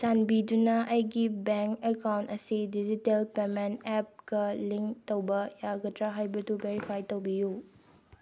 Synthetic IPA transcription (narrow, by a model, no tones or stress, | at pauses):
sanbidunɐʔɐjɡibeŋkekawntɐsidid͡ʒitelpementep̚ɡɐliŋktowbɐjaɡɐtɾaɦajbɐdubeɾipʰajtowbiju